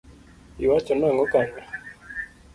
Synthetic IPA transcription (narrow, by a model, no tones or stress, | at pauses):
iwat͡ʃonaːŋɡokane